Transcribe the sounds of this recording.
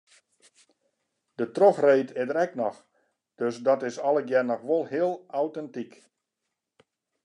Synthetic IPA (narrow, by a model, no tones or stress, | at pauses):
d̥ətroxreːtʰɪdəɾɛknɔx | d̥øsdɔtɪsɔlˠəɡjɛrnɔxʋolˠhɪəlˠawtɛntik